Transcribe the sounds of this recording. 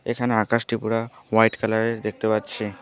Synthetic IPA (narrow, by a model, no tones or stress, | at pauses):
ekʰaneakaʃʈipuɽawajʈkalaɾeɾd̪ek̚ʰt̪epatːɕʰe